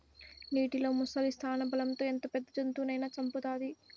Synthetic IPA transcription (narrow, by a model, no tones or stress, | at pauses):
niːʈiloːmusɐlist̪ʰaːnɐbɐlɐmt̪o̞ːent̪oːpɛd̪ːɐd͡ʒɐnt̪uːnɐjnaːt͡ʃɐmput̪aːd̪i